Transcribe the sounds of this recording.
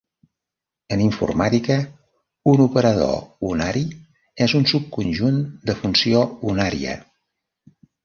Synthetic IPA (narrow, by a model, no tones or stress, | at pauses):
əniɱfṵrmat̪ikə | unupəɾəðo̰unaɾi | ɛzunsup̚kunʲʒund̪əfunsiounaɾḭə̰